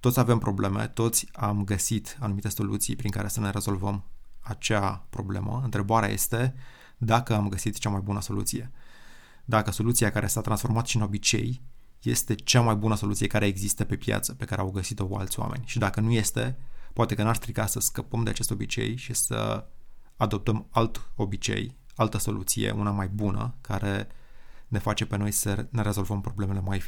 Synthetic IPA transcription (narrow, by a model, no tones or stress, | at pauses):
t̪ot̪sʲave̞mpɾo̞ble̞mḛt̪o̞t̪sʲamɡəsit̪anumit̪e̞so̞lṵt̪sijpɾiŋka̰ɾe̞səne̞ɾe̞zo̞lvəmat͡ʃeapɾo̞̰ble̞̰mə̰ɨnt̪ɾe̞baɾeaje̞̰st̪e̞ | d̪akəamɡəsit̪t͡ʃamajbunəso̞lṵt̪sije̞ | d̪akəso̞lut̪siakaɾe̞sat̪ɾansfo̞rmat̪ə̥ʃinobit͡ʃe̞̰j | je̞̰st̪e̞t͡ʃamajbunəso̞lut̪sije̞kaɾe̞ːɡzist̪əpe̞pja̰t̪sə̥pe̞kaɾe̞awɡəsit̪o̞a̰lt̪sʲwa̰me̞̰nʲʃid̪akənuje̞st̪e̞poat̪e̞kənarst̪ɾiɡasəskəpəmd̪eat͡ʃe̞st̪o̞bit͡ʃe̞̰jʃisə̰ | ad̪o̞p̚t̪əmalt̪o̞bit͡ʃe̞̰j | alt̪əso̞̰lʔut̪sijḛʔunamajbunə̰kaɾe̞ | ne̞fat͡ʃe̞pe̞no̞jsəne̞ɾe̞zo̞lvəmpɾo̞ble̞me̞le̞maj